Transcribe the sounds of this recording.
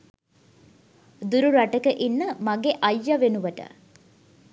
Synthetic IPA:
d̪uɾuɾɐʈɐkəʔinːəmɐɡeʔɐjːɐʋenuʋɐʈə̰

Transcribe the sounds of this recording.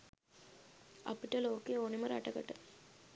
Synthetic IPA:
ɐ̰pːiʈːɐloːkeːoːnimɐɾɐ̰ʈːɐkːɐʈːɐ

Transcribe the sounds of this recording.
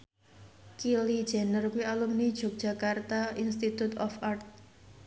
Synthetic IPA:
kilid̥ʒ̥ɛ̤nərkuwialumnid̥ʒ̥ɔ̤k̚dʒ̥a̤kart̪ainst̪it̪ut̪ɔfʔart̪̚

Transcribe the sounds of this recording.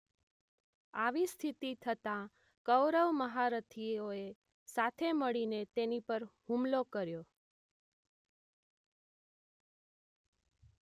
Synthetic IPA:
aʋist̪ʰit̪it̪ʰət̪ã | kəwɾəʋməɦaɾət̪ʰioe | sat̪ʰeməɭinet̪enipəɾhumlokəɾjo

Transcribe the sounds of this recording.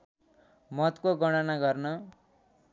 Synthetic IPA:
mʌt̪koɡʌɽ̃ʌnaɡʌrnʌ

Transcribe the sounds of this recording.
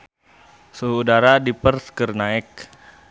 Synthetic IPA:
səudaɾadipərskərnaɪk̚

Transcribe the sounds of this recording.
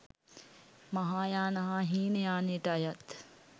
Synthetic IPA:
mɐɦaːjaːnɐɦaɦiːnəjaːneːʈəɐjɐt̪

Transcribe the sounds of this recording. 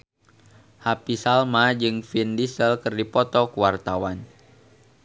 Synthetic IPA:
hapisalmad͡ʒɨŋfindisəlkɨrdipɔt̪ɔkuwart̪awan

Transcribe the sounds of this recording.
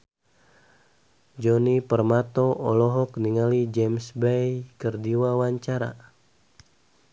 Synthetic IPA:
d͡ʒɔnipərmat̪ɔʔɔlɔɦɔk̚niŋalid͡ʒɛmsbɛjkərdiwawaɲt͡ʃaɾa̰

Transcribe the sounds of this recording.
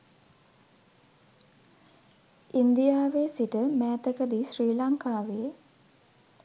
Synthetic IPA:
ind̪ijaːʋesiʈəmæːt̪əkəd̪isriːlaŋkaːʋejə

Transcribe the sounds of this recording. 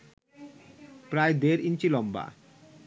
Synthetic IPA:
pɾaed̪eɾint͡ɕilɔmba̰

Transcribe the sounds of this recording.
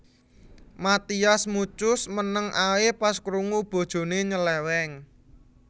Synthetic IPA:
mat̪iasmut͡ʃʊsmənəŋʔawepaskɾuŋub̥o̤d̥ʒ̥o̤neɲəlɛwɛŋ

